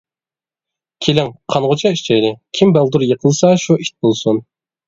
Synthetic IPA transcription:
kʲʰelɪŋqʰɑnʁʊt͡ʃʰɑiʃt͡ʃʰɛjlɪkʲʰimbælˠd̪uɾjəqʰəlˠsɑʃuʔit̪̚bolˠsun

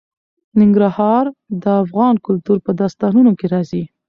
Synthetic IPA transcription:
nɪŋɡɾahɑɾd̪əafɣɑnkʊlt̪uɾpəd̪ɑst̪ɑnunokeɾɑzi

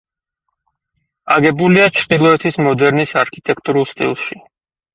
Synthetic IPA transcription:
a̰ɡɛbuliat͡ʃʰɾd̪ilˠɔɛt̪ʰismɔd̪ɛɾnisaɾkʰit̪ʼɛk̚ʰt̪ʼuɾulˠst̪ʼḭlˠʃi

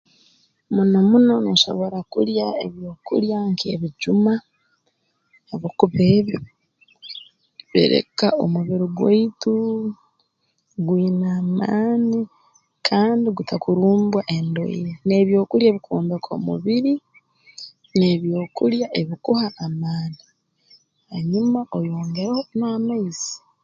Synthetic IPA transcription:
munomuno̞noʃo̞̰βo̞ɾakuɾjaeβjo̞ːkṵɾjaŋkʰḛβiɟuma | oβokuβeːβjo | βḭɾe̞̰kao̞̰muβiɾiɡwḛitu | ɡwiːnaːmaːni | kʰaːndiɡutʰakuɾuːmbwaʔe̞ndo̞̰ḭjene̞βjo̞ːkuɾjeːβikʰuːmbekʰo̞̰mṵβiɾi | neβjo̞ːkuɾjaʔe̞βikuhaʔːmaːni | haɲumaʔo̞joːŋɡe̞ɾahonoamaizi̥

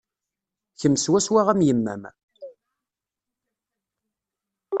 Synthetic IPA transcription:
çəmːswæswaʁæmjəmːæ̰m

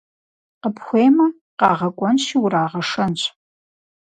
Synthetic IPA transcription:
qəpʰxʷeːjmɐ | qɑ̰ːʁɐkʷʼɔnʃiwɾaːʁɐʂɐnɕʰʼ

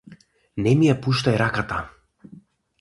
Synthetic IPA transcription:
nɛmijapuʃt̪ajɾakat̪a

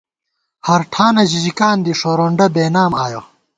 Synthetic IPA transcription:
hɐɾʈʰaːnɐʑid͡ʑikaːnd̪iʂoɾoːɳɖɐbeːnaːmaːjo

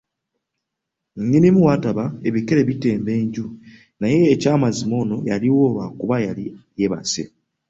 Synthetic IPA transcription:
ɲːinimuwataβae̞βikeɾeβite̞ːmbe̞ːɲɟu | naje̞ːcaːmazimo̞ːno̞jaliwo̞ːβakuβajalije̞βa̰se̞̰

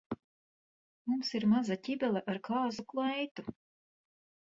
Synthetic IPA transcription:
mumsiɾmazatʲibʲɛlˠɛʔaɾkaːzuklˠajt̪u

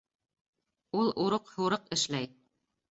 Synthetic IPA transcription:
ulˠuɾɤqhuɾɤqɘ̆ʃlæj

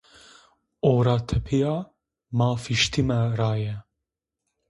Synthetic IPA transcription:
oːɾɑːt̪ʰɛpʰijɑː | mɑːfiʃt̪ʰimɛɾɑːjɛ

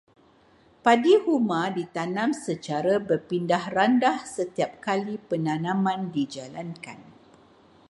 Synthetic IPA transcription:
padihumãdit̪anãmsət͡ʃaɾabərpindahrandahsət̪iap̚kalipənãnãmãndid͡ʒalanka̰n

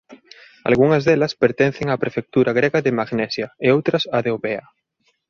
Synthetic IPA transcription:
a̰lɣuŋɐzðelɐspeɾt̪en̟θeŋapɾefek̚t̪uɾaɣɾeɣɐðɪmaɣnɛsjaeowt̪ɾɐsaðeoβea

